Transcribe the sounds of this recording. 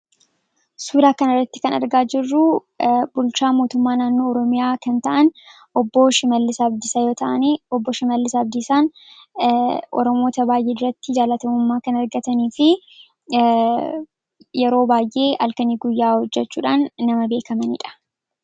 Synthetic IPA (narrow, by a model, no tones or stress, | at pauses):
suːd̪aːkɐnɐrːɐt̪ːɪ̥kɐnɐ̰ɾɡaːd͡ʒɪrːʊ | bʊlt͡ʃaːmo̞ːt̪ʊmːaːnaːnːo̞ːɔɾɔmɪjaːkɐnt̪ɐʔɐn | ɔbːoːʃɪmɐlːɪsɐbd̪ɪsɐjo̞ːt̪ɐʔɐniɔbːɔʃɪmɐlːɪsɐbd̪ɪsaːn | ʔɔ̰ɾɔmo̞ːt̪ɐbaːjʔe̞ːd̪ʊɾɐt̪ːɪd͡ʒaːlɐt̪ɐmʊmːaːkɐnɐɾɡɐt̪ɐniːfɪ | jɛɾo̞ːbaːjʔe̞ːʔɐlkɐniːɡʊjːaːhɔd͡ʒːɛt͡ʃːuːᶑaːnːɐmɐbe̞ːkɐmɐnḭːᶑɐ̥